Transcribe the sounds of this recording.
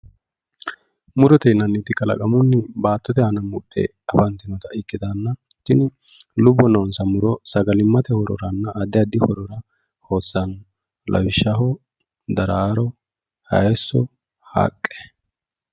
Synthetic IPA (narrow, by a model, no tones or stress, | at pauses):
mʊɾɔt̪ɛjnɐnːɪt̪ɪkʼɐlɐ̰kʼɐmʊnːɪbaːt̪ːɔt̪ɛhɐnɐmʊɗːɛ̰ | ɐfɐnt̪ːɪnɔt̪ɐʔɪkːɪd̪anːɐt̪ːɪnɪlʊbːɔnɐwnsɐmʊɾɔsɐɡɐlɪmːɐt̪ɛhɔɾɔ̰ɾɐnːɐʔɐd̪ɛɐd̪ɪhɔɾɔɾɐ | ho̞ːsːɐn | lʔɐ̰wɪʃːɐɦɔ | d̪ɐɾaːɾɔ | hɐ̰jɛsːɔ̰ | ha̰ːkʼːɛ̥